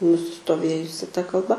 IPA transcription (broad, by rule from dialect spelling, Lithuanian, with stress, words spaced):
nʊsʲɪstoːˈʋʲeːjʊsʲɪ tɐ kɐlˠˈbɐ